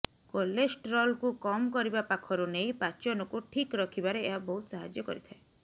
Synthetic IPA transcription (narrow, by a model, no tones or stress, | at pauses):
kolesʈɾɔlkukɔmkɔɾibapakʰɔɾunejpat͡ʃɔnɔkuʈʰikɾɔkʰibaɾeeɦaboɦut̪saɦa̰d͡ʒjɔkɔ̰ɾit̪ʰae